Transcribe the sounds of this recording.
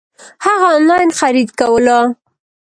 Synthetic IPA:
haɣaːnlɑjnxaɾid̪kawəlɑ

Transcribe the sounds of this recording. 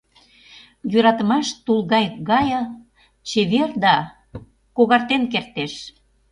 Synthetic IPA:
jøɾɑt̪ə̆mɑʃt̪ulɣɑjɣɑjə | t͡ɕeβerd̪ɑ | koɣɑrt̪enkert̪eʃ

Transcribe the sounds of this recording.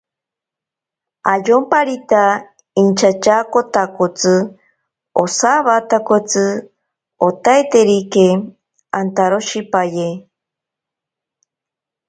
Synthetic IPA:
ajompaɾit̪a | int͡ʃat͡ʃakot̪akot͡sɨ | osaβat̪akot͡sɨ | ot̪ajt̪eɾike | ant̪aɾoʃipaje

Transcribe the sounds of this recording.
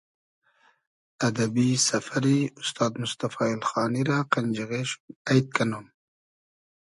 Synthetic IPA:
ad̪abisafaɾiʊst̪ɑːd̪mʊst̪afɑːɪlxɑːniɾaqand͡ʒaɣeʃu̥majt̪̚kanon

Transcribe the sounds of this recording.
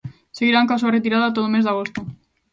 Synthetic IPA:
seɣ̞iɾaŋkas̬aret̪iɾaðat̪̬oðomezðaɣ̞ost̪u

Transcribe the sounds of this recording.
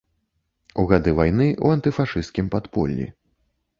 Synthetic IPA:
uɣad̪ɨvajnɨʔṵant̪ɨfaʂɨst̪̚kʲimpat̪pɔ̰lʲːḭ

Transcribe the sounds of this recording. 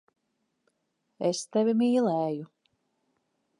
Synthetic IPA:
est̪ɛvʲimiːlˠɛːju

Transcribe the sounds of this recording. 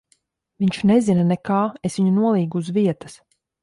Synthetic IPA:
viɲʲt͡ʃnezinanɛkaːesʋiɲunuɔlˠiːɡuːzviɛt̪ɐ̥s

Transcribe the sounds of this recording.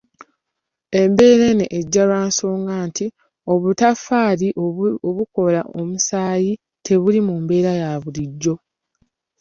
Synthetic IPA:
e̞mbe̞ːɾe̞neʔːɟːalwaːnso̞ːŋɡaːnti | o̞βutafaːliʔoβuko̞lao̞musaːji | tʰe̞βulimumbe̞ːɾajaβuliɟːo̞

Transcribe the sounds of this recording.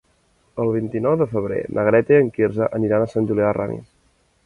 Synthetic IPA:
əlˠβ̞int̪inɔwðəfəβɾḛnʔəɣɾɛt̪eəŋkirzəʔəniɾanəsanʲʒuliara̰mḭs

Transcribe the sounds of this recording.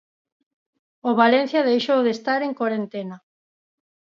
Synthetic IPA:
oβalen̟θjɐðejʃowðest̪aɾeŋkwoɾent̪ena

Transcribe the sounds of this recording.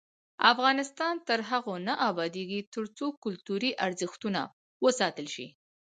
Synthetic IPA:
afɣɑnɪst̪ɑnt̪əɾɦaɣonaʔabɑd̪eɡit̪əɾt͡sokʊlt̪uɾiʔaɾzəxt̪una̰ | wəsɑt̪əlʃḭ

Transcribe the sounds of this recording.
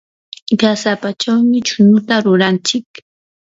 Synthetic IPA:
ɢasapat͡ʃawmɪt͡ʃʊnʊt̪aɾʊɾant͡ʃɪk

